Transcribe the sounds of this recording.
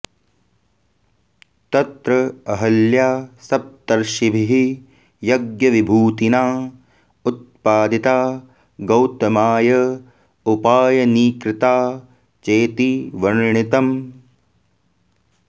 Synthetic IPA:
t̪ɐt̪ɾɐɐɦɐljaːsɐp̚t̪ɐɾʃibʱiɦi | jɐɡjɐʋibʱuːt̪inaː | ut̪̚paːd̪it̪aː | ɡɐwt̪ɐmaːjɐ | upaːjɐniːkɾɪt̪aː | t͡ʃeːt̪iʋɐɾɳit̪ɐm

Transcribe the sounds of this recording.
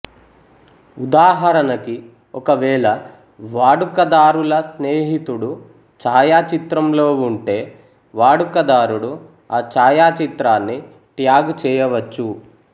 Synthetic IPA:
ud̪aːɦɐɾɐnɐki | ɔkɐʋɛːɭɐ | ʋaːɽukɐd̪aːɾulɐsneːɦit̪uɽu | t͡ʃaːjaːt͡ʃit̪ɾɐmlo̞ːuɳʈe̞ː | ʋaːɽukɐd̪aːɾuɽu | aːt͡ʃaːjaːt͡ʃit̪ɾaːnːi | ʈjaːɡt͡ʃɛːjɐʋɐt͡ʃːu

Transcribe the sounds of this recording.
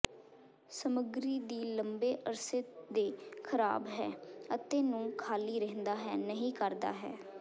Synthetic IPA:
səməɡɾiːd̪iːləmbeːʔəɾsɪd̪eːkʰəɾa̰ːbɦɛːət̪eːnũːkʰaːliːɾəɦnd̪aːɦɛːnəɦĩːkəɾd̪a̰ːɦɛ̰ː

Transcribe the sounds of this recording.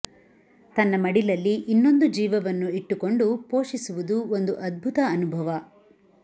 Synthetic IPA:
t̪ɐnːɐmɐɽilɐlːiʔinːo̞nd̪ud͡ʒiːʋɐʋɐnːuiʈːuko̞ɳɖupoːʂisuʋud̪uond̪uʔɐd̪̚bʱut̪ɐːnubʱɐʋɐ

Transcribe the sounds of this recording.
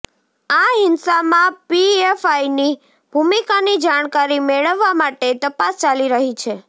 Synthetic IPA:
aɦɪnsamãpiefaini | b̥ʱumikanid͡ʒaɽ̃kaɾimeɭəʋːamaʈet̪əpast͡ʃaliɾəɦit͡ʃʰe

